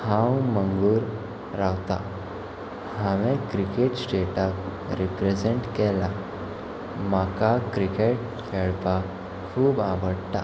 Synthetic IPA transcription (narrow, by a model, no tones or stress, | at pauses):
hãwməŋɡuːɾ | ɾawt̪a̰ | hãʋɛ̃kɾikeʈsʈeʈak | ɾipɾed͡zeɳʈkɛla | makakɾikeʈ̚ | kʰɛɭpa | kʰuːbaʋəɽt̪a